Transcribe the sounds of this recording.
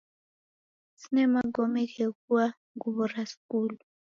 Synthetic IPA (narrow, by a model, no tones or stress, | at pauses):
sinɛmaɡɔmɛkɛkua | ŋɡuβɔraskuːlu